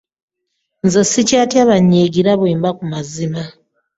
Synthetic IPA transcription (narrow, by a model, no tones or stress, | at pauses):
nzesicaːtjaːβaɲːeːɡiɾaβweːmbakumazima